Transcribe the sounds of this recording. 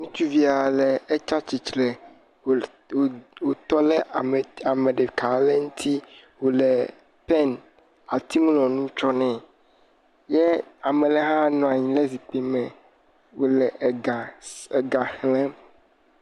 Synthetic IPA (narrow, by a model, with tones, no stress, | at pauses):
nũ˦t͡ʃu˦vi˦a˨lɛ˨ɛ˦t͡ʃa˦t͡ɕi˨t͡ʃlɛ˨ | wo˨t̪ɔ˦lɛ˦˨a˨mẽ˨ɖɛ˨ka˨˦lɛ˦ŋũ˦t̪ʰi˦ | wo˨lɛ˨ | pɛ˦n | a˨t̪i˦mũ˦lɔ̃˨nũ˦t͡ʃɔ˦nɛ̃˨ | jɛ˦a˨mɛ̃˨lɛ˨ɦã˦nɔ̃˨a˨ɲĩ˨lɛ˦zi˨k͡pe˨mɛ̃˨ | wo˨lɛ˨a˨ɡa˨hlɛ̃˦m